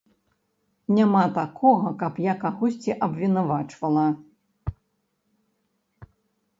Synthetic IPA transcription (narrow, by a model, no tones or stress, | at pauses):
nʲamat̪akɔɣɐkɐpjakaɣɔsʲt͡sʲiʔɐbʲvʲinavat͡ʂvɐlˠɐ